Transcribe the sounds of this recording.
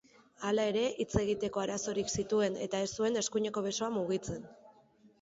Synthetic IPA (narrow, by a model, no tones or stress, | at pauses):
alae̞ɾe̞ʔit͡se̞ɣit̪e̞ko̞aɾaso̞ɾiksit̪ue̞ne̞̰t̪ae̞st̪ue̞ne̞skuɲe̞ko̞β̞e̞so̞amuɣ̞it͡se̞n